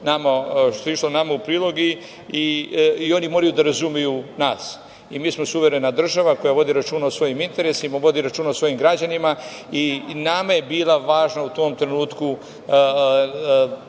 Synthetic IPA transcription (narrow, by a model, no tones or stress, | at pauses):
namaʃt̪oiʃlonamaupɾiːlˠo̞ɡi | iio̞nimoːɾajud̪aɾazumijunaːs | imiːsmo̞suʋeɾe̞nad̪r̩ʒaʋako̞jaʋo̞d̪iɾat͡ʃuːnaosʋo̞jimint̪e̞ɾesimaʋo̞d̪iɾat͡ʃuːnaosʋo̞jimɡɾad͡ʑanima | inamaje̞biːlaʋaːʒnaut̪o̞ːmt̪ɾenuːt̪ku